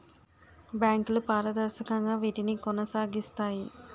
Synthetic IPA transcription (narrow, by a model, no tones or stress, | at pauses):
bjaːŋklupaːɾɐd̪ɐɾʃɐkɐŋɡaːʋiʈinikonɐsaːɡist̪aːji